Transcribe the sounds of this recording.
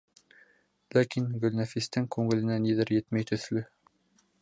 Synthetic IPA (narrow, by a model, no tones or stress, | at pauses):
lækinɡɵ̆lnæfist̪ɘŋkʉŋɘ̆lɘ̆næniðɘɾjɘt̪mæjt̪ɵ̆θlɵ